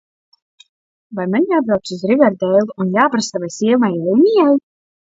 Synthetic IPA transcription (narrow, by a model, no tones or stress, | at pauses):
vajmanʲjaːbɾawt̪suzɾivʲɛɾd̪ɛjlˠuunjaːpɾasavajsiɛmajɛjnʲijaj